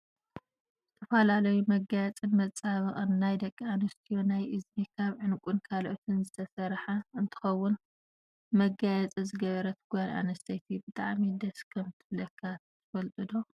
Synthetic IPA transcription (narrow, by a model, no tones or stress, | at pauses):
zɨt̪ʰɐfɐlalɐjumɐɡajɛt͡sʼinmɐt͡sʼaβɐχʼɨnːajd̪ɐkʼːianɐst̪ʰijonajʔɨzmikʰaβʕɨnkʼunkʰalʔot̪ʰɨnzɨt̪ʰɐsɐɾħaɨnt̪ʰɨ̥xɐwːʊn | mɐɡajɛt͡sʼizɨɡɐβɐɾɐt̪ʰɨ̥ɡjanʔa̰nɐst̪ʰɐjt̪ʰibɨt̪ʼa̰ʕmid̪ɐskʰɐmt̪ʰɨflɐkʰːat̪ʰɨfɐlt̪ʼɨd̪o